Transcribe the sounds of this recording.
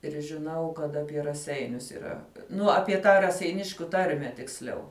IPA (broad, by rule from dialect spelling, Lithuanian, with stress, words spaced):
ɪr ʒʲɪˈnɐʊ kɐt ɐpʲiɛ rɐˈsʲɛɪnʲʊs iːˈrɐ ˈnʊ ɐpʲiɛ ˈtɑː rɐsʲɛɪˈnʲɪʃʲkʲʊ ˈtɐrʲmʲɛ tʲɪksʲˈlʲɛʊ